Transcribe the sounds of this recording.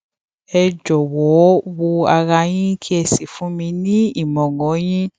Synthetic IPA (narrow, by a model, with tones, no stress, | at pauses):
ɛ˧d͡ʒɔ˨wɔ˨˦wo˧a˧ɾa˧jĩ˦kʰi˦ɛ˧si˨fũ˨˦mĩ˧nĩ˦i˦˨mɔ̃˨ŋɡɔ̃˨˦j̃ĩ˦